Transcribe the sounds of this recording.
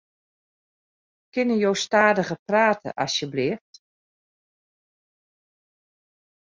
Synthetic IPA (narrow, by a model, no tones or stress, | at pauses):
kɪnəjowstaːdəɣəpraːtʰə̰ʔɑ̰sjəblɪəft